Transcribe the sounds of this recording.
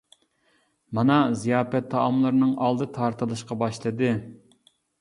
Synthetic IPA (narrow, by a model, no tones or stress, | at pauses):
mɑnɑzijɑːpɛt̪ʰːɑʔːmlˠɨɾnɨŋʔɑlˠd̪ɨt̪ʰɑɾt̪ʰɨlˠɨʃqɑbɑʃlˠɨd̪ɨ